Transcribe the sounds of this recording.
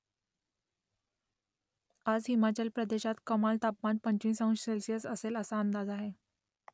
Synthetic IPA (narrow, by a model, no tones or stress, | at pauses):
ad͡zɦimat͡ɕəlpɾəd̪eɕat̪kəmalt̪apmanpəɲt͡ɕĩːsə̃w̃nɕelsijəsəseləsaənd̪ad͡zaɦe